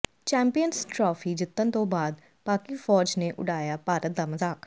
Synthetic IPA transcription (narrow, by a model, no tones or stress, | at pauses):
t͡ʃɛ̃ːmpijənsʈɾɔːfʰiːd͡ʒɪt̪ːənt̪õːbaːd̪̚ | paːkiːfɔːd͡ʒneːʔʊ̰ɖaːjaːpaːɾət̪̚d̪aːməzaːk